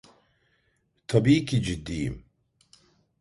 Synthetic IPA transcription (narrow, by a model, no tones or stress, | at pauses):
t̪ʰɐbiːkid͡ʒid̪ːijḭm